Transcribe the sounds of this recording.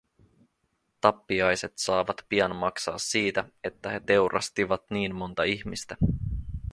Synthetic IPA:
t̪ɑpːiɑjse̞t̪sɑːʋɑt̪piɑnmɑksɑ̰ːsːiːt̪æe̞t̪ːæhe̞t̪e̞wɾʔɑ̰st̪iʋɑt̪niːnmːo̞nt̪ɑiçmist̪æ

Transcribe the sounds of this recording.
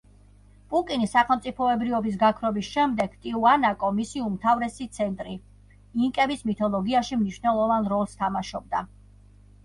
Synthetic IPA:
pʼukʼinisaχɛlˠmt̪sʼipʰɔɛbɾivɔbis̬ɡakʰvɾɔbisʃɛmd̪ɛɡ̥t̪ʼiuanakʼɔmisiumt̪ʰavɾɛsit̪sʰɛnt̪ʼɾi | iŋkʼɛbismit̪ʰɔlˠɔɡiaʃimniʃnɛlˠɔvanɾɔlˠst̪ʰamaʃɔb̚d̪a

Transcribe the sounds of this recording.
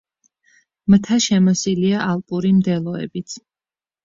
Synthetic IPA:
mt̪ʰaʃɛmɔsiliaʔalˠpʼuɾimd̪ɛlˠɔɛ̰bit̪sʰ

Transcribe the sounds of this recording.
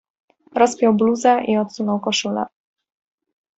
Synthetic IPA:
ɾɔspʲjɔwbluzɛʔiɔt̪sunɔwkɔʂulɛ̰

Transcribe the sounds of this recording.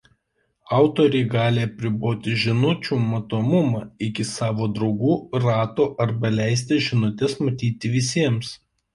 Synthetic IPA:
ɑˑʊt̪oːɾʲɛɪɡɑːlʲeɐpʲɾʲɪboːt̪ʲɪʒʲɪnʊt͡ʃʲuːmɐt̪oːmʊmɑːɪkʲɪsɑːʋoːd̪ɾɒʊɡuːɾɑːt̪oːʔɐɾbɐlʲæˑɪs̬ʲt̪ʲɪʒʲɪnʊt̪ʲɛsmɐt̪ʲiːt̪ʲɪʋʲɪs̬ʲiɛms

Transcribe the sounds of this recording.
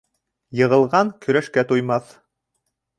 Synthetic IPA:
jɤ̆ʁɤ̆lˠʁɑŋkɵ̆ɾæʃkæt̪ujmɑθ

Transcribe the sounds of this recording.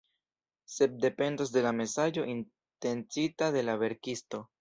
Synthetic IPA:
se̞p̚de̞pe̞ndos̬de̞lame̞sad͡ʒo̞ʔin | te̞nt͡sitade̞laβe̞ɾkisto̞

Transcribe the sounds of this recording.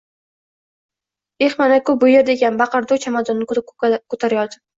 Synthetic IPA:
eχmanakʊbʊjeɾd̪eɡʲanbɑqɨɾd̪ʊt͡ʃʰamad̪ɒnːɪkʰot̪ʰaɾajɒd̪ɪ

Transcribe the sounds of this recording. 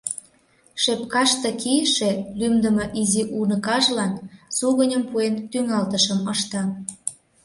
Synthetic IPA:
ʃepkɑʃt̪ɤ̆kijʃelymd̪ə̆mɤʔiziʔunə̆kɑʒlɑnsuɣənʲəmpuent̪yŋɑlt̪əʃəməʃt̪ɑ

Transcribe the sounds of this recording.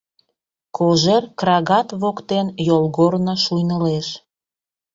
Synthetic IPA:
kʰoʒerkrɑɣɑt̪βokt̪enjolˠɣornəʃujnəleʃ

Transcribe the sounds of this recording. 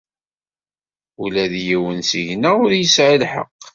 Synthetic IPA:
ulæðjiwənsiʝnæʊɾjəsʕilħə̰qː

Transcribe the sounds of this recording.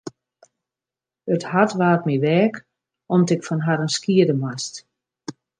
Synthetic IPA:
əthatʋaːt̚miʋɛːk | ɔmtɪkfɔnɦaɾənskiədəmast

